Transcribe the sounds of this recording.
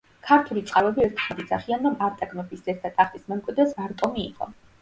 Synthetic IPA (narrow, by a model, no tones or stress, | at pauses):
kʰaɾt̪ʰulit̪sʼqʼalˠɛbiɛɾt̪ʰad̪id̪zaχianɾɔmaɾt̪ʼaɡnɔbiszɛɾt̪ʰat̪ʼaχt̪ʼismɛmkʼwid̪ɾɛsvaɾt̪ʼɔmḭːqʼɔ̰